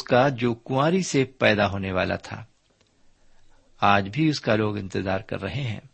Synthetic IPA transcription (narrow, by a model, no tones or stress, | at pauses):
ʊskad͡ʒoːkʊaːɾisepɛːd̪aɦoːneʋa̰ːla̰t̪ʰa̰ː | aːd͡ʒbʱiʊskaloːɡɪ̃nt̪ɪzaːɾkɐ̰ɾːɐɦeɦɛ̰̃ː